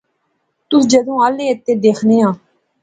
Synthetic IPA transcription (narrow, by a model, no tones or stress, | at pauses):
t̪ʊsd͡ʒəd̪õːaːleːət̪ːeːd̪eːkʰneːɦãː